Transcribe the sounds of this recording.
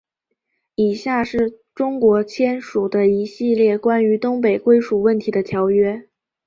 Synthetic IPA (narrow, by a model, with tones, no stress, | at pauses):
i˨˩ɕja˥˩ʂɻ̩˥˩ | ʈ͡ʂʊ˥ŋkwɔ˧˥t͡ɕʰjɛ˥nʂu˨˩d̪ə˦i˧˥ɕi˥˧ljɛ˥˩kwa˥ny˧˥t̪ʊ˥ŋp̬e˨˩ɪkwe˥ɪʂu˨˩wə˥˩nt̪ʰi˧˥d̪ə˧t̪ʰjɑ˧˥ʊɥɛ˥